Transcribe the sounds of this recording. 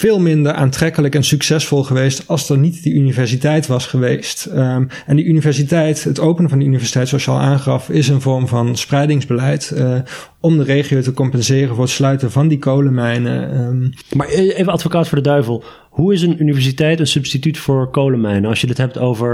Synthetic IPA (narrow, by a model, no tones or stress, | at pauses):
v̥ɪːlˠmɪndəɹʔa̰ːntrɛkələkɛnsyksɛsfɔlˠχəʋejstɑlˠzdənitdiʔynivɛɹsitɛjtʋɑsχəʋejst | ɛndiʔynivɛɹs̬itɛjtɦətowpənəvɑndiynivɛɹsi̥tɛjtsoʃaːlˠʔaːnχɑfɪsənvɔɹmvɑnsprɛjdɪŋzbəlɛjt | ɔmdərejχiowtəkɔmpɛnzɪːrənvʊːɹətslœɥtənvɑndikowləmɛjnə̰ | maːɹejvəɑtfokaːtfʊːdədœɥvəlˠ | huɪsənynivɛɹs̬itɛjtənsɵpstitytfʊːɹkowləmɛjnəɑlsʃjədətɦɛp̚towvəɹ